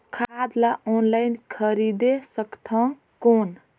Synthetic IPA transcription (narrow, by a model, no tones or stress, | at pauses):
kʰaad̪laonlajnkʰəɾid̪esəkt̪ʰə̃ŋ | kon